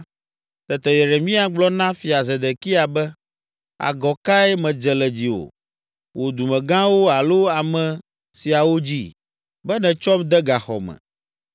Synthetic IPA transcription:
t̪ɛ˨t̪ɛ˨je˨ɾe˨mĩ˦a˨ɡ͡blɔ˦nã˦fi˨a˨ze˨d̪e˨ki˦a˨bɛ˦ | a̰˨ɡɔ˨ka˦ɛ˦mɛ̃˨d͡ʒɛ˨lɛ˨d͡ʑi˨wo̰˨ | wʔo˨d̪u˨mɛ̃˨ɡã˦wo˦a˨lo˦a˨mɛ̃˨ | si˨a˨wo˦d͡ʑi˦ | bɛ˦nɛ̃˨t͡ʃɔ˦md̪ɛ˦ɡa˨xɔ̰˨mɛ̰̃˨

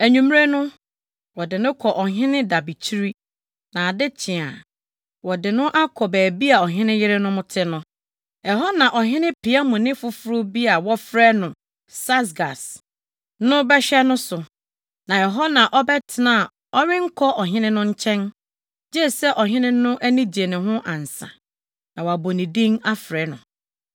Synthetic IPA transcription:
æ˨ɲũ˨m˦ɾe˦nʊ̃˦ | wɔ˨dɪ˨nʊ̃˦kʰɔ˨ʔɔ˨ɦɪ̃˦nɪ̃˦da˨bi˨t͡ɕʰi˦ɾi˦ | nã˨dɪ˦t͡ɕʰɪ̃˨a˨ | wɔ˨dɪ˨nʊ̃˦ʔa˦kʰɔ˨bæː˨bi˦a˨ɔ˨ɦɪ̃˦nɪ̃˦jɪ˦ɾɪ˦nʊ̃˦mʊ̃˦tʰɪ˦nʊ̃˦ | ɛ˨ɦɔ˦nã˨ʔɔ˨ɦɪ̃˦nɪ̃˦pʰi˨a˦mʊ̃˨nɪ̃˦fʊ˨fʊ˦ɾʊ˦bi˦a˨wɔ˦fɾɛ˦nʊ̃˨ | sa˦s̬ɡa˨s | nʊ̃˦bɛ˦ɕᶣɛ˦nʊ̃˦sʊ˨ | nã˨ɛ˨ɦɔ˦nã˨ʔɔ˦bɛ˦tʰɪ˨nã˦˨ | ɔ˦ɥɪ̃˦ŋ̩˦kʰɔ˦ʔɔ˨ɦɪ̃˦nɪ̃˦nʊ̃˦ɲ̩˦t͡ɕʰɛ̃˦n | d͡ʑe˦˨sɛ˦ʔɔ˨ɦɪ̃˦nɪ̃˦nʊ̃˦ʔæ˦nĩ˦d͡ʑi˨e˨nɪ̃˨ɦʊ̃˦ʔã˨n̩˨sã̰˨ | nã˨wa˨bo˨nĩ˨dĩ˦ŋa˦fɾɛː˨˦nʊ̃˨

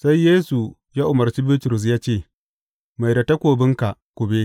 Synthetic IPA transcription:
sa˦jːeː˦su˨ | ja˦ʔʊ˨mɐ˨rt͡ʃi˦bɪ˦tʊ˨ɾʊ˨s̬jaː˦t͡ʃeː˦˨ | ma˨jda˨ta˦kʷoː˨bɪ˦ŋka˨ʔkʷʊ˨be˦

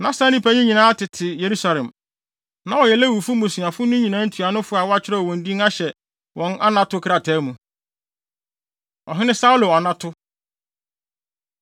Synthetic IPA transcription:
nã˦stã˦nĩ˦pʰa˦ɲĩ˦ɲĩ˨nã˨˦a˦tɪ˨tʰɪ˨je˨ɾu˦sa˨lɛ̃˨m | nã˦ɔ˨jɛ˨lɛ˦wu˨fu˦mo˨sũ˨a˨fʊ˦nʊ̃˦ɲĩ˨nãː˦n̩˦tʰu˨a˨nʊ̃˦fʊ˦a˨wɔ˦a˦t͡ɕʰᶣɪ˦ɾɛ˦ɔ˨wɔ̃˨n˦di˦ŋa˦ɕɛ˨ | wɔ̃˨˦na˦nã˦tʊ˦kʰɾa˨tʰɛː˨˦mũ˨ | ɔ̰˨ɦɪ̃˦nɪ̃˦sa˦u˦lo˨ɔ˨nã˦tʰʊ˦

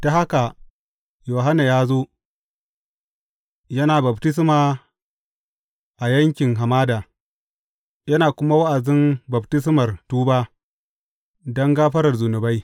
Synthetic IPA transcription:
d̥a˨ha˦ka˨ | joː˨ɦa˦na˨jaː˦zoː˦ | jɐ˦naː˨bɐ˨btɪ˦s̬maː˨ | ʔa˨jɐ˦ŋkʲɪ˨ŋɦa˨maː˦daː˨ | jɐ˦naː˨kʷʊ˦ma˦wa˦ʔa˨dɪ˦mbɐ˨btɪ˦s̬mɐ˨rtuː˦baː˦ | dɐ˦ŋɡaː˦ɸɐ˦ɾɐ˨rzu˨nʊ˨ba˦j

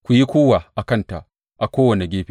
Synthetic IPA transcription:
kʷu˨ji˦kʷoː˦wa˨ʔa˨kɐ˦nta̰˨ | ʔa˨kʷoː˦wɐ˨ne˨ɡʲeː˦ɸi˦

